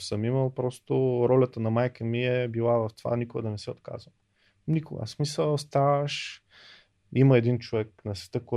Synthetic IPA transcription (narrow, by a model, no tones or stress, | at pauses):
səmiməlˠpɾɔst̪ʊɾɔlʲɐt̪ənɐmajkəmiɛbilˠavɐft̪ova̰nikʊɡə̰d̪ɐnɛsɛot̪ka̰zvə | nikʊɡə̰smisəlˠst̪avəʃ | iməɛd̪int͡ʃovɛk̚nɐsvɛ̥t̪əkɔ